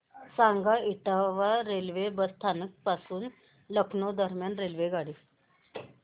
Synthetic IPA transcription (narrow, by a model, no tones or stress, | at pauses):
saŋɡaiʈ̪aʋaɾelʋebəst̪ʰanək̚pasuːn | ləkʰnod̪əɾmjanɾelʋeɡaɽi